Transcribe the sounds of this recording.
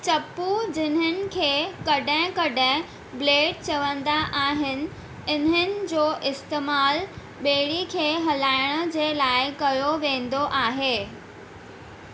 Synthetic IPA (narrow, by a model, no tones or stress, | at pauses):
t͡ɕɐpːud͡ʑɪnɦənɪ̆kʰeːkɐɖʱə̃kɐɖʱə̃ | bleːɖ̚t͡ɕɐʋə̃nd̪aʔaːɦɪnɪ̆ | ɪnənɪ̆d͡ʑoːʔɪst̪eːmaːl | ɓeːɽikʰeːɦɐlaːɪɽ̃ə̆d͡ʑeːlaːɪkɐjoʋẽːn̆d̪oʔaːɦeː